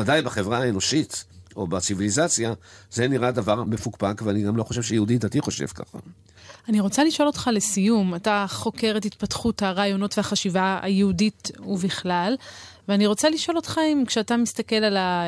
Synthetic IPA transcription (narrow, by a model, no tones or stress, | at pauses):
adajbaχe̞vʁaaeno̞ʃit̪o̞̰bat͡sivilizat͡sjazeniʁadavaʁmefukpakveaniɡamlo̞χo̞ʃevʃejeuditatiχo̞ʃḛv̥ka̰χa̰ | aniʁo̞t͡saliʃo̞lo̞tχale̞sijumataχo̞ke̞ʁetit̪patχuthaʁaːjo̞no̞tveaχaʃivaa̰jeudituviχlalveaniʁo̞t͡saliʃo̞lo̞t̪χaimkʃeatamistake̞lala